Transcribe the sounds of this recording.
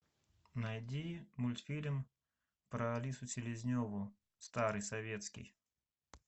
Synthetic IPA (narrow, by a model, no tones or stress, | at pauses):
nɐjdʲimʊlʲt̪fʲilʲm | pɾəɐlʲisʊt͡sʲɪlʲɪzʲnʲovʊ | st̪aɾɨjsɐvʲet̪skʲɪ̰j